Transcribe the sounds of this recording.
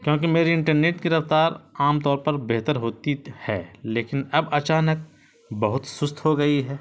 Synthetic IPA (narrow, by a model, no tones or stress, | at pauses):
kjõːk̬emeːɾiɪ̃ɳʈəɾneːʈkiɾɐft̪aːɾaːmt̪ɔːɾpɐɾbeːɦt̪əɾɦoːt̪ihɛːleːkɪnɐbɐt͡ʃaːnək̚ | bɐɦʊt̪sʊst̪ʰɦoɡɐiɦɛː